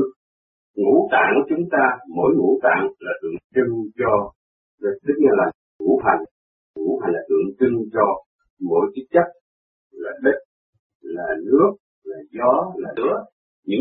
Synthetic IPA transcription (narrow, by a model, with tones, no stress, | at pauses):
ŋṵ˧˥t̪a̰ː˧˨ŋt͡ɕʊ˨˦ŋ͡mt̪aː˧mo˨˦jŋṵ˧˥t̪a̰ː˧˨ŋlaː˨˩t̪ɨ̰˨˧˩əŋt͡ɕi˧ŋt͡ɕɔ˧ | ɗə˨˦t̪ɨ˦˥k̚ɲa˧˩laː˨˩ | ŋṵ˧˥ha˨˩ŋ̟ | ŋṵ˧˩˥ha˨˩jŋ̟laː˨˩t̪ɨ̰˧˨əŋt͡ɕɨ˧ŋt͡ɕɔ˧ | mo̰˧˨jt͡ɕɨ˦˥k̚t͡ɕə˦˥k̚ | laː˨˩ɗi˦˥t̚ | laː˨˩nɨ˦˥ək̚ | laː˨˩zɔ˨˦laː˨˩nɨ˦˥ək̚ | ɲɨ̰˧˥